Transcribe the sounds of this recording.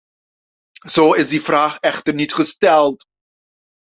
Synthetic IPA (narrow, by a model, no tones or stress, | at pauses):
soːɪsdifraːχɛχtərnɪtχəstɛlˠt